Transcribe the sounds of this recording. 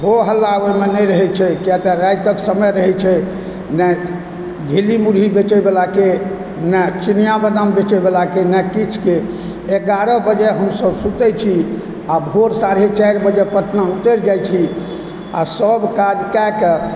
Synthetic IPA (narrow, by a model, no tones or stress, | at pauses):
ɦoɦəlːabəjmenɛɾəɦɛt͡ʃʰɛkɛt̪eɾajt̪əksəməɾəɦɛt͡ʃʰɛ | nɛ | ɡʱilimuɾɦibet͡ʃɛbelake | nɛt͡ʃinijabəd̪ambet͡ʃɛbelakenɛkit͡ʃʰke | eɡaɾəbəd͡ʒɛɦəmsəbsut̪ɛt͡ʃʰi | abʱoɾsaɾet͡ʃajɾbəd͡ʒepəʈʰnaut̪eɾd͡ʒajt͡ʃʰi | a̰səbkad͡ʒkɛk